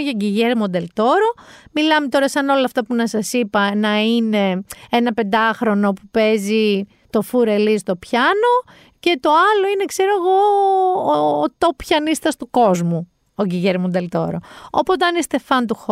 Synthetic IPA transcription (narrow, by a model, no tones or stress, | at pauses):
ʝɐɟiʝeɾmond̪e̞lt̪o̞ɾomilɐmet̪o̞ɾɐsɐno̞lɐːft̪ɐpunɐsɐsipɐnɐine̞enɐpe̞nd̪ɐxɾo̞no̞pupe̞zi | t̪o̞fuɾe̞list̪o̞pçɐno̞ | ce̞t̪o̞ɐlo̞ine̞kse̞ɾoeɣo̞ | t̪o̞pçɐnist̪ɐst̪uko̞zmu | oɟiʝeɾmond̪e̞lt̪o̞ɾo̞̰opot̪ɐnist̪e̞fɐnt̪̬ux